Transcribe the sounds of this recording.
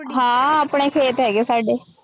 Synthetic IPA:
ɦãːaːpɳ̃eːkʰeːt̪ɦɛːɡeːsaːɖeː

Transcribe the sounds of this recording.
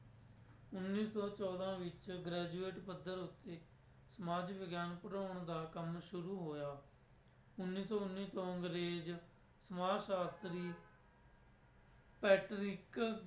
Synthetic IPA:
ʊnːiːsɔːt͡ʃɔːd̪ãːʋɪt͡ʃɡɾɛːd͡ʒueːʈpəd̪ːəɾʊt̪ːeː | səmaːd͡ʒbəɡjaːnpəɾaːʊɳd̪aːkəmʃʊɾuːɦoːjaː | ʊnːiːsɔːʊnːiːt̪oːəŋɡɾeːd͡ʒ | səmaːʃaːst̪ɾiː | pɛːʈɾɪk

